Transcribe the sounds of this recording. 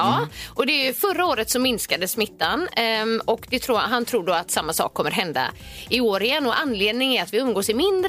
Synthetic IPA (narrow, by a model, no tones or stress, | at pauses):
ɑːʔɔd̪ɛjɵfœɾaoːɾət̪sɔmɪnskad̪əsmɪt̪ːanɔkd̪ɛt̪ʰɾuːɦant̪ʰɾuːɖoːat̪samːasɑ̰ːkʰːɔmːəɾɦɛnd̪a̰ɪoːɾɪjɛnːɔʔanːleːd̪nɪŋæɾat̪vɪɵmɡoːsɪmɪnd̪ɾ